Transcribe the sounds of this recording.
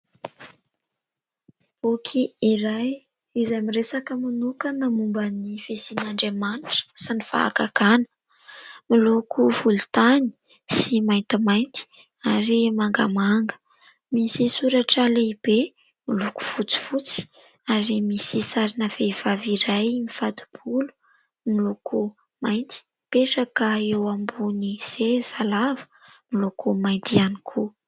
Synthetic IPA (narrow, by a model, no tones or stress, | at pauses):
okʰiiɾaj | izajmiresakəmanukənamumbənifesinaɳɖ͡ʐemanʈ͡ʂə̥sinifa̰ːka̰kanə̥ | milukʰufult̪ani̥ | simajnt̪imajnt̪i̥ | aɾimaŋɡa̰maŋɡə̥ | misisuɾaʈ͡ʂəleib̥e | miluku̥fut͡si̥fut͡si̥ | aɾimisisaɾinəvev̥aviɾajmifat̪u̥b̥ulu̥ | milokʰu | majnt̪i̥ | peʈ͡ʂakəewambuniz̥ez̥alavə̥milokumajnt̪ianikʰu